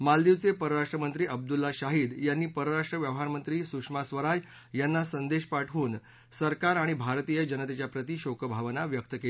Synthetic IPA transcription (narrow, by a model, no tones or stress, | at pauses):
mald̪iʋt͡sepəɾəɾaʂʈɾəmənt̪ɾiːʔəb̚d̪ulːaɕaɦiːd̪janːiːpəɾəɾaʂʈɾəʋjəʋɦaɾmənt̪ɾiːsukʂmasʋəɾaj | janːasənd̪eɕpaʈʰuːn | səɾkaɾaɽ̃ibʱaɾt̪ijəd͡ʑənət̪et͡ɕjapɾət̪iːɕokəbʱaʋənaʋjək̚t̪əkel